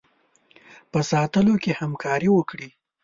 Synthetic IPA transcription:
pəsɑt̪əlokehamkʰɑɾiwəkɽi

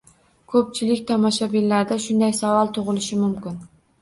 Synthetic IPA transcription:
kʰɵp̚t͡ʃʰɪlɪkʲt̪ʰɑmɑʃabilːaɾd̪aʃʊnd̪ajsavɑlˠt̪ʰʊʁɨlˠɪʃɪmʊmkʲɪn

